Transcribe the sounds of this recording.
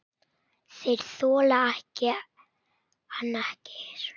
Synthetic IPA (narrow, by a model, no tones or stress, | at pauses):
θejɾ̥θɔːlaahcɪ | anahcɪ̥ɾ̥